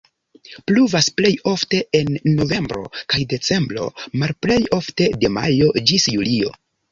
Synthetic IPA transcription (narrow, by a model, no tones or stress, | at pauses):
pluvasple̞jo̞fte̞enːo̞ve̞mbɾo̞̰kajde̞t͡se̞mbɾo̞̰malple̞jo̞fte̞de̞ma̰jo̞d͡ʒisjulio̞̰